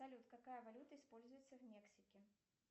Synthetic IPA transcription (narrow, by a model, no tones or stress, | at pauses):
ɐlʲut̪kɐkajəvɐlʲut̪əɪspo̞lʲzʊjɪt̪səvmʲeksʲɪkʲɪ